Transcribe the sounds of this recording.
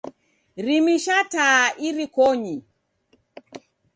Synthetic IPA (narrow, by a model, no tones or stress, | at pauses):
ɾimiʃataːʔiɾikɔɲi